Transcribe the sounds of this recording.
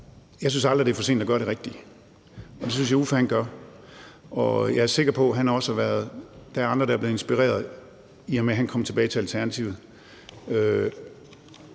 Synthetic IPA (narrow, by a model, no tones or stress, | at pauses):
jɑ̈ɪsynsɑ̈ld̥ʁid̥e̝æɐfɒse̝̰ːnd̥ɒɡɶɐɾe̝ʁeɡ̥̚d̥i | ɒ̽d̥e̝syns̬jɑ̈ufæhænɡ̥ɶɐ | ɒ̽jɑ̈æɐse̝ɡ̥ɐpʰɒ̽ɦænhɑ̈ɒ̽səʋæɐð̩ˠd̥ææɐɑ̈nd̥ʁɐd̥ɑ̈ɐb̥le̝ð̩ˠensb̥iʁḛːɐð̩ˠ | iɑmeɦænkʰɒ̽mt͡sʰe̝bɛːɪt͡sʰe̝ælt͡sʰæɐnæt͡sʰḭʊð̩ˠ | ø